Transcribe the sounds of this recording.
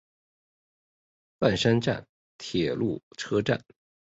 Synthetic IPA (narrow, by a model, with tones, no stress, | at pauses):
pa˥˩nʂa˥nʈ͡ʂa̰˥˩n | t̪ʰjɛ˨˩lu˥˩ʈ͡ʂʰɤ˥ʈ͡ʂa̰˥˩n